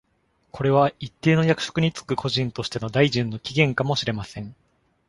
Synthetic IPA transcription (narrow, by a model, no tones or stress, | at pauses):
ko̞ɾe̞βait̪ːe̞ːno̞jakɯ̟̥ɕo̥kɯ̟ɲ̟it͡sɨ̥kɯ̟kʰo̞ʑĩnt̪o̞ɕi̥t̪e̞no̞d̪aiʑĩnːo̞kʲiɡʲẽ̞ŋkamo̞ɕiɾe̞masẽ̞ŋ